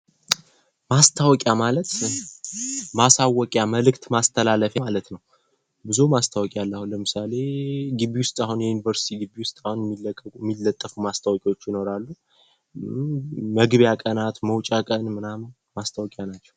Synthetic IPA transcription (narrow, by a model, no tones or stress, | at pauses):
mast̪ʰawɔkʼjamalət̪ | masawɔkʼjaməlɨkt̪mast̪ʰəlaləfjamalət̪nəw | bɨzumast̪ʰawɔkʼjalːəhuləmɨsale̞ɡɨβiwʊst̪ʼahunjɛjunivəɾsi̥t̪ʰiɡɨβiwʊst̪ʼahunjɛmːilːəkʼːəkʼjmːilːət̪ʼːəfumast̪ʰawɔkʼiwot͡ʃːjɪno̞ɾalːu | məɡβjakʼənat̪məwt͡ʃʼakʼənmɨnamn | mast̪ʰawɔkʼjanat͡ʃːɛw